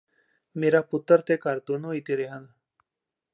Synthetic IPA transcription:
meːɾaːpʊt̪ːəɾt̪ekəɾt̪uːnũːit̪eɾeːɦən

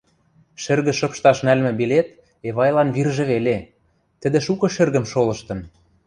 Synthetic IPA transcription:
ʃɘ̆rɣə̆ʃɤ̆pʃt̪ɑʃnælmɘ̆bilet̪̚ | eβɑjlɑnβirʒĕβele | t̪ə̆d̪ĕʃukɤ̆ʃɘ̆rɣə̆mʃolɤ̆ʃt̪ɤ̆n

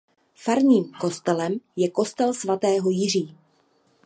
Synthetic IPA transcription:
faɾɲiːmko̞st̪ɛlɛmjɛko̞st̪ɛlsvat̪ɛːɦo̞jɪr̝iː

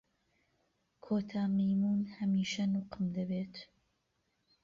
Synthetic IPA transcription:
kʰoːt̪ʰaːmejmuːnhɐmiːʃɐnʊqɨmd̪ɐbeːt̪

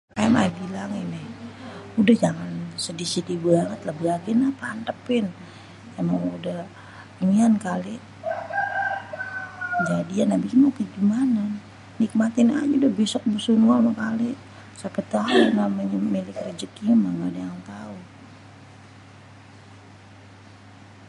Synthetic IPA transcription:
ama̰bilaŋinɪhudahd͡ʒaŋansədisit̪ibaŋət̪lahbəaɡinapaːnt̪əpɪn | amaŋudah | imiankaliʔ | d͡ʒadianabikinakəd͡ʒumananː | ik̚mat̪ɪna̰d͡ʒudabɛsɔk̚musunualmakaliʔ | sapət̪aɦanaməɲmilɪkrəd͡ʒəkimaŋadajaŋt̪au

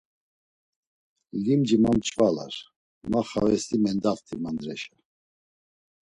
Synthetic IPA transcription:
limd͡ʒimamt͡ʃʼvala̰ɾ | maχavɛst̪ʼimɛnd̪aft̪ʰimand̪ɾɛʃa

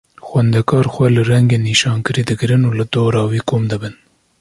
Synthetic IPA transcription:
xwɛnd̪ɛkʰɑːɾxʷwɛlɨrɛŋɡeːniːʃɑːnkɨɾiːd̪ɨɡɨɾɨnuːlɨd̪oːɾɑːwiːkʰoːmd̪ɨbɨn

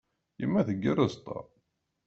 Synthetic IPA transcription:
jə̰mːæθəɡːərəzt̪ˤɑ̰

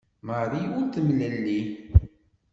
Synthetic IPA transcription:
məɾˤiʊɾt̪əmləlːi

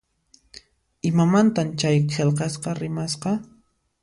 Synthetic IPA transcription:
ɪmamant̪amt͡ʃajqʰelqɑsqɑɾɪmasqɑ

